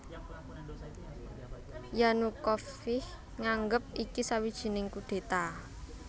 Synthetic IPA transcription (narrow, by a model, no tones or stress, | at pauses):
janukɔfɪh | ŋaŋɡəp̚ikisawid̥ʒ̥i̤nɪŋkuɖ̪̥e̤t̪a